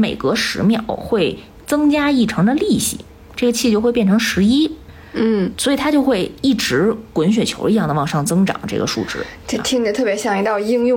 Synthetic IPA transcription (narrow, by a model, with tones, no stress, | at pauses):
mḛ˨˩ɪkɤ˧˥ʂɻ̩˧˥mjɑ˨˩ʊxwe˥˩ɪ | t͡sɤ˥ŋt͡ɕja˥i˥˩ʈ͡ʂʰɤ˧˥ŋd̪ə˧li˥˩ɕḭ˨˩˦ | ʈ͡ʂɤ˥˩ɡə˩t͡ɕʰi˥˧t͡ɕjo˥˧ʊxwe˥˧pjɛ˥˩nʈ͡ʂʰɤ˧˥ŋʂɻ̩˧˥i˥ | n̩˥˩swɔ˧˥˨t̪ʰa˥t͡ɕjo˥˧ʊxwe˥˧ɪi˥˩ʈ͡ʂɻ̩˧˥kwə˧˥nɕ̬ɥɛ˨˩t͡ɕʰjo˧˥i˧jɑ˥˩ŋd̪ə˩ʋɑ˥˩ŋʂɑ˥˩ŋt͡sɤ˥ŋʈ͡ʂɑ̰˨˩˦ŋʈ͡ʂɤ̰˥˩ɡə̰˩ʂṵ˥˧˩ʈ͡ʂɻ̩̰˥˩ʈ͡ʂe˥˩t̪ʰi˥ŋ˧ə˧t̪ʰɤ˥˩pjɛ˧˥ɕjɑ˨˩ŋi˧˥t̪ɑ˥˧ʊji˥ŋjʊ˥˧